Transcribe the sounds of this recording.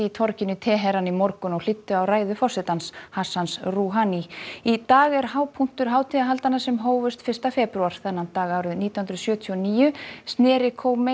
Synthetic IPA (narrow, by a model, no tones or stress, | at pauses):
ɪit̪ʰɔɾcɪnʏt̪ʰɛːɦɛɾanimɔɾkʏnɔɣl̥ɪt̪ːʏawraːjðʏfɔsɛt̪anshasansruɦaniit̪aːɣɛɾɦaːwpʰun̥t̪ʏɾ̥ɦaːwt̪ʰɪaɦalt̪anːasɛmɦoːwvʏst̪fɪrst̪afɛpɾuaɾ̥θɛnːant̪aːɣaːwɾʏniːt̪awhʏnɾsjœːt̪ʰiɔniːjʏst̪nɛːɾɪkʰoːwmɪ